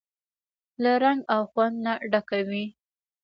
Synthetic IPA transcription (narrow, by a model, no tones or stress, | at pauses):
laɾaŋɡawxwand̪naɖakawi